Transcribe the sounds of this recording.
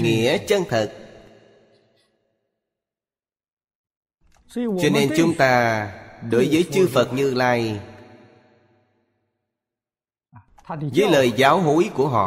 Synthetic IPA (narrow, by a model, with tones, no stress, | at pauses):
ŋḭ˧˨ət͡ɕə˧nt̪ʰə˨˩t̚ | t͡ɕɔ˧ne˧nt͡ɕʊ˨˦ŋ͡mt̪aː˧ɗo˨˦jvəː˨˦jt͡ɕɨ˧fə˨˩t̚ɲɨ˧laː˧j | vəː˨˦jləː˨˩jzaː˨˦wɦo˨˦jku˧˩əɦɔ̰˧˨